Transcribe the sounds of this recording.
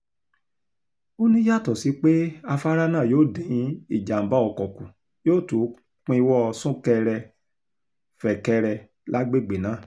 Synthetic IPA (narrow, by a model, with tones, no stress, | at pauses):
o˦nĩ˦ja˦˨tɔ˨si˨˦k͡pe˦a˧fa˦ɾa˦nãː˦˨joː˦˨dẽ˨j̃ĩ˦i˦˨d͡ʒa˨m̩˨ba˦ɔ˧˨kɔ˨kũ˨ | joː˦˨to˨˦ | k͡pĩ˧˦i˧˦wɔ˦˧sũ˦kɛ˧ɾɛ˧ | fɛ˨kɛ˧ɾɛ˧ | lʔa˦ɡ͡be˦˨ɡ͡be˨nã˨˦˨